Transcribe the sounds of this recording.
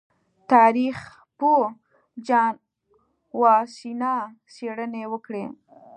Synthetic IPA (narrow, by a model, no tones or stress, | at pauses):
t̪ɑɾix | po | d͡ʒɑn | wɑsinɑ | seɽənewəkɽe